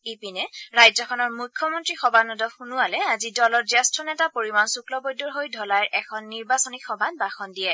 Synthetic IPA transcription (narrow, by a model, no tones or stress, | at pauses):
ipinɛɹajzɔkʰɔnɔɹmukʰːɔmɔntɹixɔbʱanudɔxunualɛazidɔlɔɹzɛstʰɔnɛtapoɹimansuklɔbɔjdɔɹɦojdʱɔlaɹʔɛkʰɔnːiɹbasɔnikxɔbʱanbaxɔndijɛ